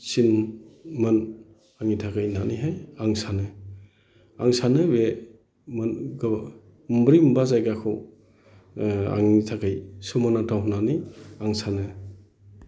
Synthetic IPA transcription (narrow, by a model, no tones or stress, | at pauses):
sinmɯn | aŋitʰakɯjnaniɦajaŋsanɯ | aŋsanɯbe | mɯnɡ | mbɾimbazajɡakʰɯ | a̰ŋitʰakɯjsumanatʰawɦunaniaŋsanɯ